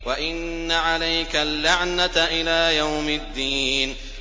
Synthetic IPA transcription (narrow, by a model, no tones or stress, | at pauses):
waʔɪnːaʕalajkalːaʕnaʔɪlaːjawmɪd̪ːiːn